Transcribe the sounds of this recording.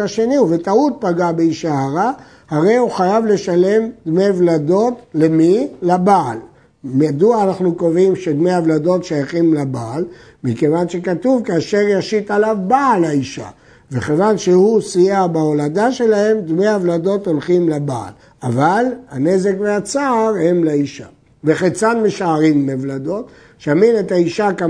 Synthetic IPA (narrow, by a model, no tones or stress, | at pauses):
aʃe̞nive̞taut̚paɡabeiʃaaʁa | haʁe̞juχajavle̞ʃale̞md̪me̞jvlado̞tle̞milabaːl | mjad̪uaːnaχnukovimʃed̪me̞javlado̞tʃajaχimlabaːl | mikevanʃe̞katuvkaːʃe̞ʁjaʃit̪alavbaːlaiʃa̰ | veχevanʃehusijabaolad̪aʃe̞lahe̞md̪mejhavlad̪o̞t̪o̞lχimlaba̰ːl | avalhane̞ze̞kveat͡saːʁhe̞mlaiʃa̰ | veχet͡sanmeʃaːʁimːevlad̪o̞t̪ | ʃaminet̪haiʃaka